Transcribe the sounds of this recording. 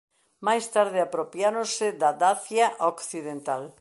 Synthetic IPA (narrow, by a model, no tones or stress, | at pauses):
majst̪aɾð̞ɪapɾopjaɾõsɪd̪ad̪aθjaʔokθiðent̪al